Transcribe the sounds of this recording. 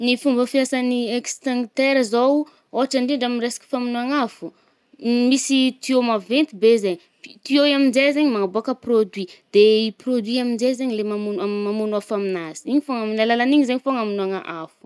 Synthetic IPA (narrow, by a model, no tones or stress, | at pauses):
nifumbəfiasaniekst̪ãŋt̪eɾəzow | oɦaʈ͡ʂaɳɖ͡ʐiɳɖ͡ʐamiresi̥ki̥faminuaŋafu̥ | misit̪iomavent̪ibezeɲ | fit̪ioamind͡zezeɲimaŋaboakəprod̪wid̪̥eiprod̪wiamind͡zezeɲilemamunammamunafaminazi̥iɲifoŋaminalalaniɲizeɲifoŋaminuaŋa̰ʔafu̥